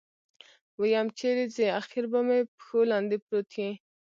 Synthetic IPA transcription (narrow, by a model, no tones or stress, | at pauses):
wəjɑmt͡ʃeɾizeaxɪɾbamepxolɑnd̪epɾot̪ʰjẽ